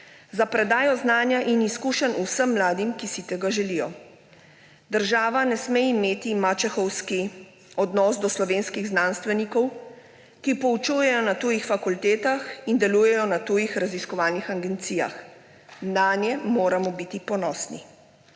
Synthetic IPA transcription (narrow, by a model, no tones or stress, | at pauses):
zapɾɛd̪aːjɔznaːnjaʔiniskuːʃɛnusəmːlaːd̪imkisit̪ɛɡaʒɛlijɔ | d̪əɾʒaːʋanɛsmeimeːt̪imat͡ʃɛxɔwski | ɔd̪nɔːsd̪ɔslɔʋeːnskiɣznanst̪ʋɛnikɔw | kipɔut͡ʃujɛjɔnat̪uːjixfakult̪ɛːt̪axind̪ɛluːjɛjɔnat̪ujixɾaziskɔʋaːlnixaɡɛnt̪sija̰x | mnaːnjɛmoːɾamɔbit̪ipɔnɔsnḭ